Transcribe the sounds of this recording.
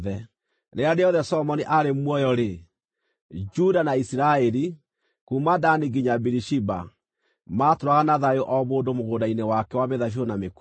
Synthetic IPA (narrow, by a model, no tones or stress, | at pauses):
ðɛ | neadeɔðɛsɔmɔniʔaɾemwɔjɔɾe | d͡ʒudanaisiɾaɛɾi | kumadaniɡiɲabiɾiʃiba̰ | matoɾwaɣanaðajoʔɔmoːndomoɣoːdainewakɛwameðaʃ̬onamek